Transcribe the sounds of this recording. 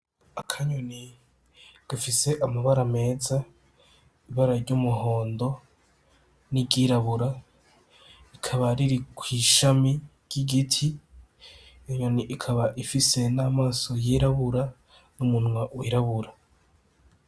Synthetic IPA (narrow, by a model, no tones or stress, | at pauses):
akʰaɲoni | ɡ̥afise̞ʔamaβaɾame̞ːza | iβaɾaɾɟumuɦo̞ːndo̞ | nibɟiːɾaβuɾa | ikʰaβaɾiɾikwiːʃami | ɟ̥iɡitʰi | iɲoniʔikʰaβaʔifise̞naːmaːso̞jiɾaβuɾa | numun̥wawiɾaβuɾa